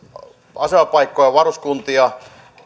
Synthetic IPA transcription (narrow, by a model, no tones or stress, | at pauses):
ɑseɑpɑikːˑojɑʋɑruskunt̪iɑ